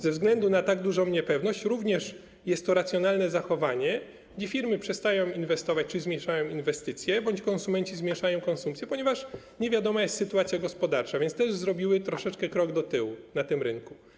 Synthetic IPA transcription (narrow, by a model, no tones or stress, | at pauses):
zɛvzɡlɛnd̪unat̪aɡd̪uʐɔ̃w̃ɲɛpɛvnɔɕt͡ɕɾuvɲɛʂ | jɛst̪ːɔɾat̪sʲjɔnalnɛzaxɔvaɲɛ | ɡd͡ʑefʲiɾmɘpʂɛst̪ajɔ̃w̃invɛst̪ɔvat͡ɕt͡ʂɪizmʲɛʂajɔ̃w̃invɛst̪ɘt̪sʲjɛbɔɲt͡ɕkɔnsumɛɲt͡ɕizmʲjɛʂajɔ̃w̃kɔnsumpt̪ʲjɛpɔɲɛvaʂ | ɲevʲjad̪ɔmajɛst̪sɘt̪uat̪sʲjaɡɔspɔd̪aɾt͡ʂavʲjɛnt̪st̪ɛʐzɾɔbʲiwɘt̪ɾɔʂɛt͡ʂkɛkɾɔɡd̪ɔt̪ɘwunat̪ɘmɾɘŋku